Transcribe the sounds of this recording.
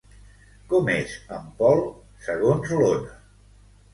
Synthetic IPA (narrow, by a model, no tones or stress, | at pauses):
kɔmezəmpɔlˠ | səɣonzlonə